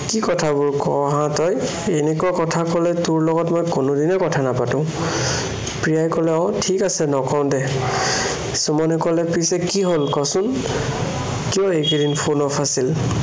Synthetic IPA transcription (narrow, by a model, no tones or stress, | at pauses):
kikɔtʰabʊɹkɔɦãtɔj | enɛkuakɔtʰakɔlɛtʊɹlɔɡɔtmɔjkonodinɛkɔtʰanapatʊ̃ | pɹijajkɔlɛɔ̃ʊ̃tʰikasɛnɔkɔʊ̃dɛ | sumɔnɛkɔlɛpisɛkiɦolkɔsʊn | kijɔekedinpʰonɔpʰasil